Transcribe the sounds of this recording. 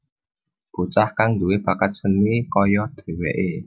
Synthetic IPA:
b̥ut͡ʃahkaŋd̪ṳwepakat̪̚sənikɔjɔd̪̥e̤wɛʔe

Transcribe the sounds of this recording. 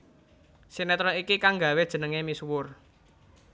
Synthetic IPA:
sinɛt̪ɾɔikikaŋɡa̤wed̥ʒ̥ə̤nəŋemiswʊr

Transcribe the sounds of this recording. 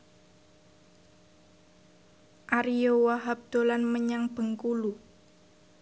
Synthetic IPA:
ʔaɾiowaɦap̚d̪̥o̤lanməɲaŋb̥ə̤ŋkulu

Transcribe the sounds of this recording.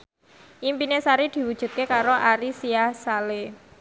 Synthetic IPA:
ʔimpinesaɾid̪̥i̤wud̥ʒ̥ṳt̪̚kekaɾoʔaɾisiahsale

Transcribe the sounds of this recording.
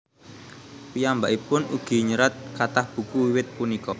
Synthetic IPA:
pijambaʔipʊnuɡ̥i̤ɲəɾat̪̚kat̪ahb̥ṳkuwiwɪt̪̚punikɔ

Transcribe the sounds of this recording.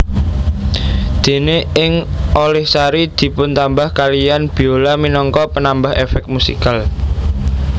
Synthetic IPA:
d̪̥e̤neɪŋʔolɛhsaɾid̪̥i̤pʊnt̪ambahkalijanb̥i̤olaminɔŋkɔpənambaɦefɛk̪̚musḭkal

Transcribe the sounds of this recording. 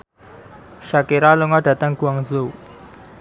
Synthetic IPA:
ʃakeɾaluŋaɖ̥ä̤t̪aŋɡ̥uaŋzo

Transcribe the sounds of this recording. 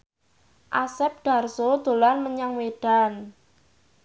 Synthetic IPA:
ʔasɛp̚dɖ̥a̤rsod̪̥o̤lanməɲaŋweɖ̥a̤n

